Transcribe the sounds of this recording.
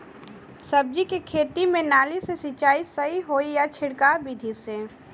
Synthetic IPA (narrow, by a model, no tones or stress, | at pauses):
sɐb̚d͡ʒikikʰeːt̪imẽnaːlisesɪt͡ʃaːisɐɦiɦoːijat͡ʃʰɪɽkaːbid̪ʱise